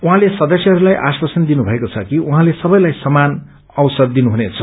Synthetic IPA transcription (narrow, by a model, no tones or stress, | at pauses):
uɦãlesʌd̪ʌsjʌɦʌɾulajʔa̰swasʌnd̪inubʱʌekot͡sʰʌkiʔuɦãlesʌbʌjlajsʌman | ʌwsʌrd̪inuɦunet͡sʰʌ